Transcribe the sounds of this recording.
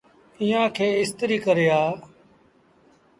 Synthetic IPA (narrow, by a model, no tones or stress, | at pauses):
iːãːkʰeːɪst̪ɾiːkəɾeːaː